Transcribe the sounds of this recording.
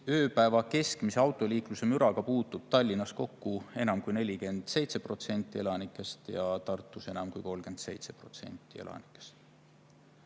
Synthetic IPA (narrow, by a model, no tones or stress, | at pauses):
ø̞ːpæevɑke̞skmise̞ɑwt̪ːˑo̞lʲiːkluse̞myɾɑɡ̥ɑpuːt̪ːˑub̥̚t̪ɑlʲːinɑsko̞kːue̞nɑmkujne̞lʲike̞nd̪̥se̞jt̪se̞pro̞t̪se̞nʲt̪ːˑie̞lɑnikːˑe̞st̪jɑt̪ɑrt̪ːˑuse̞nɑmkujko̞lɡ̥e̞nd̪̥se̞̰jt̪se̞̥pro̞t̪se̞̰nʲt̪ːˑie̞̰lɑ̰ni̥kːˑe̥st̪